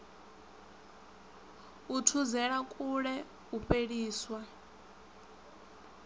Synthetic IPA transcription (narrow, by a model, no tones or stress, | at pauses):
utʰuzɛɺakʼuɺɛ | uɸʼeɺiːswa